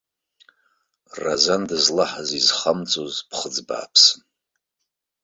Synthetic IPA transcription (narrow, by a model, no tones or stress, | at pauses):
ra̰zandɨzlaħazizχamt͡sʼozpʰχəd͡zba̰ːpʰsɨn